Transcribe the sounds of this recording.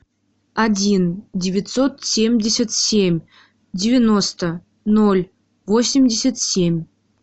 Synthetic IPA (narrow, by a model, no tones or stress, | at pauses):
adʲindʲɪvʲɪt̪sot̪sʲemʲdʲɪsʲat̪sʲemʲ | dʲɪvʲɪnost̪ə | nolʲ | vosʲɪmʲdʲɪsʲat̪sʲemʲ